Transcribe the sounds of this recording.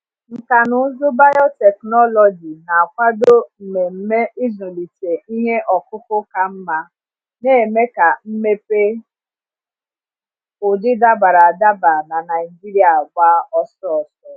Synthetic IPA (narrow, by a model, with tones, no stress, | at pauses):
ŋ̩˨ka˨nʊ˦zʊ˦ba˦jɔ˦tɛ˨knɔ˦lɔ˨d͡ʒi˨na˨a˨kʷa˦do˦m̩˨me˨m̩˦me˦ʔi˦zʊ˨li˨te˨i˦ɦe˦ʔɔ˨kʊ˦kʊ˦ka˨m̩˦ma˦ | ne˦e˨me˦ka˨m̩˦me˦pe˦ | ʊ˨dɪ˦da˦ba˨ɾa˨a˨da˦ba˨na˨na˨ɪ˨d͡ʒi˦ɾi˦a˨ɡʷa˦ɔ˦sɔ˦ɔ˨sɔ˦